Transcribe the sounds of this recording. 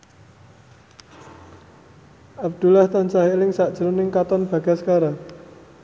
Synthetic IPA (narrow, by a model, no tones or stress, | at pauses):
ʔab̚d̪̥ulaht̪ant͡ʃaɦilɪŋsaʔd̥ʒ̥əɾunɪŋkat̪ɔnb̥a̤ɡ̥asə̥kaɾa